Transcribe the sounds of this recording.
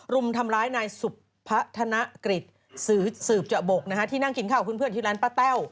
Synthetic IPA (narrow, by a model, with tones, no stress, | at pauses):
ɾu˧mt̪ʰa˧mɾaː˦˥jnaː˧jsu˨˩pʰːa˦˥t̪ʰa˧na˦˥kɾi˨˩t̪̚ | sɯː˨˩˦sɯː˨˩p̚t͡ɕa˨˩bo˨˩k̚na˦˥kʰa˦˥t̪ʰiː˥˩na˥˩ŋki˩˦nkʰaː˨˩wkʰu˧˥npʰɯ˥˩ənt̪iː˥˩lɛaː˦˥npaː˦˥˩t̪ɛː˥˩w